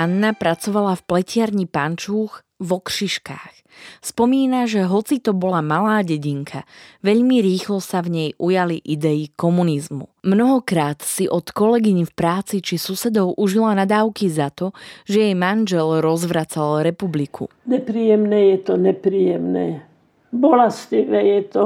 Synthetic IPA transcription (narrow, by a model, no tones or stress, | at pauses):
anːapɾat͡sɔʋalafplɛcɪaɾɲipant͡ʃuːx | ʋɔkʃiʃka̰ːx | spɔmiːnaʒɛɦɔt͡sit̪ɔbɔlamalaːɟɛɟiŋkʰaʋɛʎmiɾiːxlɔsavɲɛjʔujaliʔid̪ɛikɔmunizmṵmnɔɦɔkɾaːt̪siʔɔt̪kɔlɛɡiɲifpɾaːt͡sit͡ʃisusɛd̪ɔʊʔuʒilanad̪aːʊkizat̪ɔʒɛjɛjmanʒɛlɾɔzʋɾat͡salɾɛpublikʰṵ | ɲɛpɾiːjɛmnɛːjɛt̪ɔɲɛpɾiːjɛmnɛː | bɔlasciʋɛjɛt̪ɔ